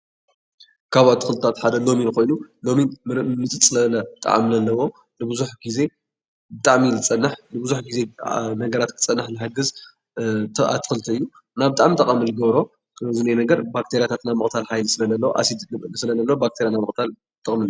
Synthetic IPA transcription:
kʰaβat̪ʰːɨ̥xɨlt̪ʰat̪ħad̪ɐlo̞minko̞jnulo̞mimɨt͡sʼɨt͡sʼɨlɐlɐt̪ʼa̰ʕa̰mlɐlːɐwo̞ | nɨbɨzuħɡize̞ | bɨt̪ʼaʕmilɨt͡sʼɐnːɨħnɨbɨzuħɡize̞nɐɡɐɾat̪kʰɨ̥t͡sʼɐnːɨħnɨɦaɡɨz | t̪ʰa̰t̪ʰɨ̥xɨlt̪ʰɨɨjːu | naβbɨt̪ʼaʕmit̪ʼɐχʼɐmɨlɨɡɐβɾo̞ | zɨnajnɐɡɐɾbak̚t̪ʰeɾjat̪ʰat̪namɨkʼt̪ʰalħajlisɨlɐzɐlːɐwo̰ʔa̰sid̪ɨsɨlɐzɐlːɐwobak̚t̪ʰeɾjanamɨχʼt̪ʰal | t̪ʼɨkʼmɨlju

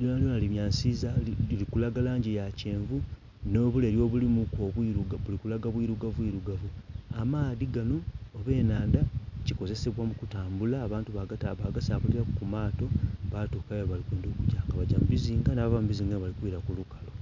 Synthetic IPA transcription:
ljonaljonaliβjaːnsizailikulaɡalaːɲɟijace̞ːɱvu | no̞ːβuleːɾjo̞βulimukoβwiɾuɡaβulikulaɡaβwiɾuɡavwiɾuɡavuamaːðiɡanoːβe̞ːnaːndaciko̞ze̞se̞βwamukutaːmbulaːβaːntuβaɡataβaɡasaːβuliɾakkumaːto̞βatuːkajoβalikweːndokucaːŋɡaβaɟamubiziːŋɡanaβavamubiziːŋɡanβalikwiːɾakulukalo

